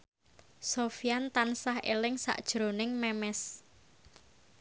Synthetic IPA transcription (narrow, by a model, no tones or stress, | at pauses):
sofijant̪ansahḛlɪŋsa̰ʔd̥ʒ̥ɾo̤nɪŋmɛmɛs